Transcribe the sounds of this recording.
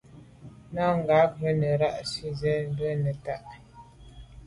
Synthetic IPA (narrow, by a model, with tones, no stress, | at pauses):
na˦ŋ˨ɡa˨˦pbə˦nə˨ɾa˦ʔsi˦zɛ˦m˦bə˦nə˨ta˦ʔ